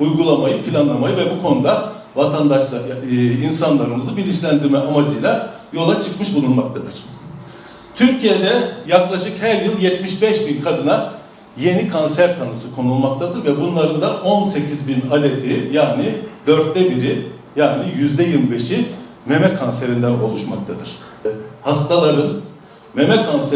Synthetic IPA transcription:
ujɡulˠamajɯpʰilʲanlˠamajɯvɛbukʰo̞nud̪a | vat̪ʰand̪aʃlˠainsanlˠaɾɯmɯzɯbilʲiʃlʲænd̪iɾmɛʔamad͡ʒɯjlˠa | jo̞lˠat͡ʃʰɯkmɯʃbunˠulmak̚t̪ʰad̪ɯɾ̥ | t̪ʰyɾcijed̪ɛjaklˠaʃɯkhæɾjɯlˠjɛt̪miʃbɛʃbinkʰad̪ɯna | je̞nikʰonsæɾt̪ʰanɯsɯkʰo̞nulˠmakt̪ʰad̪ɯɾvɛbunlˠaɾɯnd̪aʔo̞nse̞cʰizbinalʲet̪ʰijaːnid̪øɾt̪̚d̪ɛbiɾi | jaːnijyzd̪ɛjɯlˠbe̞ʃi | me̞mɛkʰonse̞ɾind̪æno̞̰lˠuʃmak̚t̪ʰad̪ɯɾ̥ | hast̪ʰalˠaɾɯn | me̞mɛkʰonse

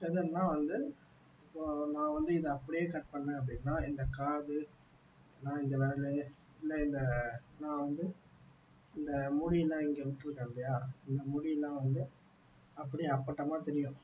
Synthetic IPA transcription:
ɛðɯnːãːʋɐnd̪ɯ | ɪpːoːnãːʋɐnd̪ɯɪðɯɐpːɐɽɪjeːkɐʈ̚pɐɳːẽːɐp̬ːɐɽɪnːãːɪnd̪ɐkaːðɯ | nãːɪŋɡɐmaːlɯ | ɪlːɐɪnd̪ɐnãːʋɐnd̪ɯ | ɪnd̪ɐmʊɽilːãːɪŋɡeʊʈ̪ːɯɾɯkːaːɳlɐjaːɪnd̪ɐmʊɽɪlːãːʋɐnd̪ɯ | ɐpːɐɽiɐpːɐʈːɐmaːt̪ɛɾɪjʊ̃

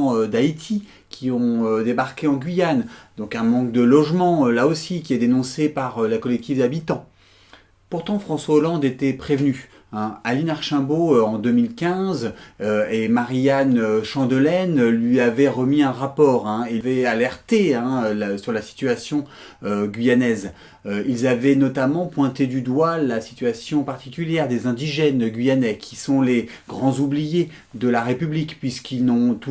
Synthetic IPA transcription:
ød̪ait̪ʰi | kʲʰiɔ̃ød̪ebaʁkʲeɑ̃ɡʲɥijand̪̥ɔ̃kɛ̃mɑ̃k̚d̪əlɔʒmɑ̃ølaosikʲiɛd̪enɔ̃sepaʁølakɔlɛk̚t̪ifd̪abit̪ɑ̃ | puʁt̪ɑ̃fχɑ̃swaolɑ̃d̪et̪ɛpχevny | ɛ̃alinaʁʃɛ̃boøɑ̃d̪ømilkʲɛ̃zøemaʁijanøʃɑ̃d̪əlɛnlɥiavɛʁəmiɛ̃ʁapɔːʁɛ̃evɛalɛʁt̪eɛ̃ølsyʁlasi̥t̪yasjɔ̃ | øɡʲɥijanɛz | øilzavɛnɔt̪amɑ̃pwɛ̃t̪ed̪yd̪walasi̥t̪ɥasjɔ̃paʁt̪ikʲyljɛʁd̪ezɛ̃d̪iʒɛnɡʲɥijanɛkʲʰi̥sɔ̃le | ɡʁɑ̃zublije | d̪əlaʁepyblikpɥiskilnɔ̃t̪u

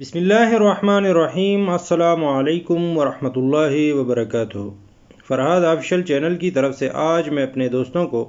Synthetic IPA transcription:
bɪsmɪlːaːɦɪɐrːɐħmaːnɐrːɐɦiːmɐsːɐlaːmʊɐleːkʊmwɐɾɐhmɐt̪ʊlːaːɦiwɐbɐɾɐkaːt̪ʊɦ | fɐɾɦaːd̪aːfɪʃəlt͡ʃɛːnəlkit̪ɐɾəfseʔaːd͡ʒmẽɐpned̪oːst̪õko

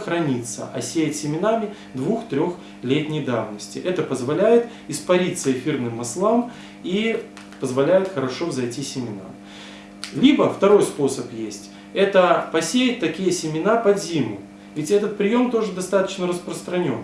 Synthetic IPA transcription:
xɾɐnʲit̪sə̰ʔɐ̰sʲejɪtʲsʲɪmʲɪnamʲɪ | d̪vuxt̪ɾʲo̞x | lʲet̪ʲnʲɪjd̪avnəsʲtʲɪʔɛt̪əpəzvɐlʲæjɪt̪ | ɪspɐɾʲit̪səɪfʲirnɨmːɐslˠam | i | pəzvɐlʲæjɪt̪xəɾɐʂo̞vzɐjtʲisʲɪmʲɪna̰ | lʲibəft̪ɐɾo̞jspo̞səpjesʲtʲ | ɛt̪əpɐsʲejɪt̚ʲt̪ɐkʲijəsʲɪmʲɪnapɐzʲimʊ | vʲɪtʲɛt̪ət̪̚pɾʲɪjo̞mt̪o̞ʐɨd̪ɐst̪at̪ə̥t͡ɕnəɾəspɾəst̪ɾɐnʲo̞̰n

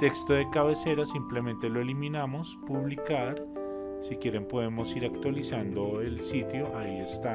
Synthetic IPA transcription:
t̪e̞kst̪o̞ðe̞kaβe̞se̞ɾasimple̞mẽnt̪e̞loe̞limĩnamo̞spuβlikaɾ | sikje̞ɾe̞mpo̞ðe̞mo̞siɾakt̪walisand̪o̞elsit̪jo̞ʔaie̞st̪a

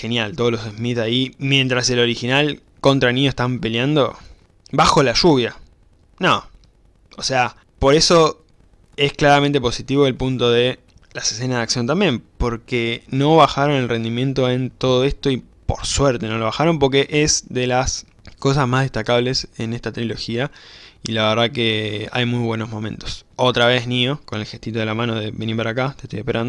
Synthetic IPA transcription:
xe̞njalt̪oð̞olose̞smit̪aimje̞nt̪ɾase̞lo̞ɾixinal | ko̞nt̪ɾanĩɲose̥t̪ampe̞ljand̪o̞ | baxo̞laʃuβja | no | ose̞a | po̞ɾe̞so̞ | e̞sklaɾamẽnt̪epo̞sit̪iβo̞elpunt̪o̞ð̞e̞ | lasese̞nazðaksjo̞nt̪ambje̞mpo̞ɾkeno̞βaxaɾo̞ne̞lre̞nd̪imjẽ̞nt̪o̞e̞nt̪o̞ð̞o̞e̞st̪o̞i | po̞̰ɾsweɾt̪e̞no̞lo̞β̞axaɾo̞mpo̞ɾke̞ʔezðe̞las | ko̞s̬asmaɦðe̞ht̪akaβle̞se̞ne̞st̪at̪ɾilo̞xiailaβeɾðakea̰jmujβwe̞nozmo̞mẽ̞nt̪o̞so̞t̪ɾaβe̞znio̞kone̞lxet̪it̪o̞ðe̞lamãnoðe̞βeniɾpaɾakat̪eht̪ojehpeɾand̪o

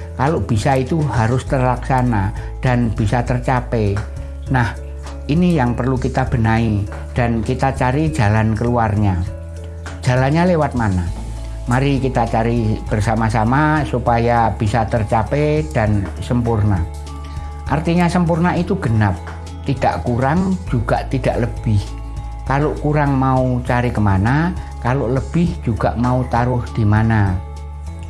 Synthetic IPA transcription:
kaloʔb̥isait̪uɦaɾʊst̪ərlaksanad̥anb̥isat̪ərt͡ʃapɛ | nah | ʔinijaŋpərlukit̪ab̥ə̤nai | d̥ankit̪at͡ʃaɾi̥d͡ʒ̥a̤lankəluarɲa | d͡ʒ̥a̤lanɲalewat̪̚mana | maɾikit̪at͡ʃaɾib̥ərsamasamasupajab̥isat̪ərt͡ʃapɛd̥ansəmpurna | ʔart̪iɲasəmpurnait̪uɡ̥ənap̚ | t̪id̥a̰ʔkuɾaŋd͡ʒuɡ̥a̰ʔt̪id̥aʔləb̥ɪh | kaloʔkuɾaŋmaut͡ʃaɾikəmana | kaloləb̥ɪhd͡ʒuɡ̥aʔmaut̪aɾʊhd̥imana

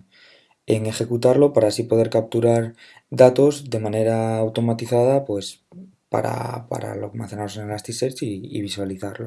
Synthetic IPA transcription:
e̞ŋe̞xe̞kut̪aɾlo̞paɾasipo̞ð̞e̞ɾkap̚t̪uɾaɾ | d̪at̪o̞zd̪e̞mãne̞ɾaːwt̪o̞mat̪iθaðapwe̞s | pa̰ɾa̰pa̰ɾa̰lo̰kmã̰θe̞naosenelast̪iseɾt͡ʃḭːβ̞iswaliθaɾlo

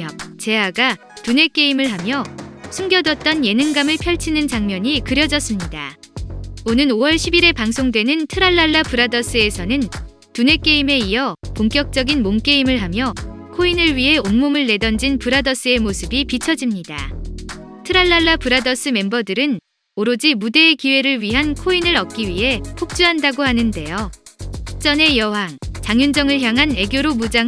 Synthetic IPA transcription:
ʌt͡ɕe̞ɦaɡa | tune̞k͈e̞imɯɭɦamjʌsʰuŋɡjʌdʌt̚t͈ʌnje̞nɯŋɡamɯɭpʰjʌɭt͡ɕʰinɯnt͡ɕaŋmjʌɲikɯɾjʌd͡ʑʌs͈ɯmɲida | onɯnowʌɭɕʰibiɾe̞paŋsʰoŋdwe̞nɯntʰɯɾaɭːaɭːapɯɾadʌs͈ɯe̞sʰʌnɯn | tune̞k͈e̞ime̞iʌpoŋkjʌk̚t͡ɕ͈ʌɡinmomk͈e̞imɯɭɦamjʌ | kʰoinɯɭɥiɦe̞onmumɯɭːe̞dʌnd͡ʑinpɯɾadʌs͈ɯe̞mosʰɯbipit͡ɕʰʌd͡ʑimɲida̰ | tʰɯɾaɭːaɭːapɯɾadʌs͈ɯme̞mbʌdɯɾɯn | oɾod͡ʑimude̞ːkiwe̞ɾɯɭɥiɦankʰoinɯɾʌk̚k͈iɥiɦe̞pʰok̚t͡ɕ͈uɦandaɡohanɯnde̞jo | t͡ɕ͈ʌne̞jʌɦaŋt͡ɕaŋjund͡ʑʌŋɯɭçjaŋɦane̞ɡjoɾomud͡ʑaŋ

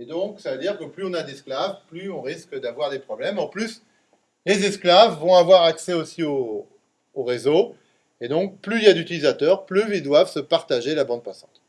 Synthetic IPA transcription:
ed̪ɔ̃ksavəd̪iʁkəplyɔ̃nad̪ɛsklavplyɔ̃ʁiskd̪avwaʁd̪epχɔblɛmɑ̃plys | lezɛsklavːɔ̃avwaʁaksɛosioː | ʁezo | ed̪ɔ̃k̚plyiljad̪yt̪ilizat̪œʁplyild̪wavsəpaʁt̪aʒelabɑ̃d̪̚pasɑ̃t̪

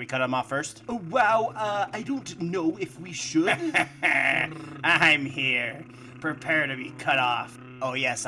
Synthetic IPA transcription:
wikʰʌɾə̃mɔfɜ˞stwaʊʌaɪdõʊ̃ntnoʊɪfwiʃʊ̥ | ãɪ̃mhiɹ | pʰɹ̥ɨpʰɛɹd̚tɨbikʰʌɾɔf | oʊjɛs

